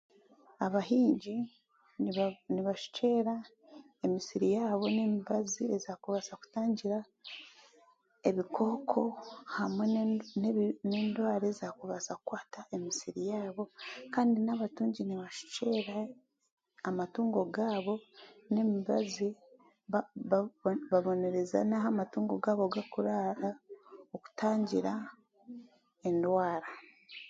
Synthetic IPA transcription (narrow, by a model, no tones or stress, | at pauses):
aβaɦiːɲɟi | niβaʃu̥t͡ʃe̞ːɾa | emisiɾijaːβo̞nemiβaziezaːkuβasaku̥taːɲɟiɾa | e̞βikʰo̞ːkʰo̞hamwenne̞ːndwaːɾezaːkuβasakukwaːtae̞misiɾijaːβo̞kaːndinaβatuːɲɟiniβaʃu̥t͡ʃeɾaː | matuːŋɡo̞ɡaːβo̞ne̞miβa̰zi | βaβo̞ne̞ɾe̞za̰naɦamatuːŋɡo̞ɡaːβo̞ɡakuɾaɾaoku̥taːɲɟiɾa | e̞ndwaːɾa